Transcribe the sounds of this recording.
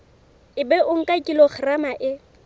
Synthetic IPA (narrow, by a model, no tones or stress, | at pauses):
ɪbɛʔʊŋ̩kʼakʼilɔχramaʔɪ